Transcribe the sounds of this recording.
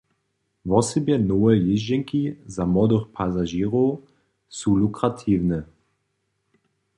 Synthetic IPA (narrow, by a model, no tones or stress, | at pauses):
vɔsibjɛnoːɛjɪʒɛŋkizamɔdəxpʰazaʒiːʁo | sulukʁatʰiːvnə